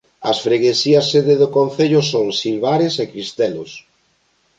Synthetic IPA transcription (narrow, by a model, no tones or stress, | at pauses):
ɐsfɾeɣesiɐsːeðeðokonθeʎʊsoŋsilβaɾesekɾist̪ɛlo̰s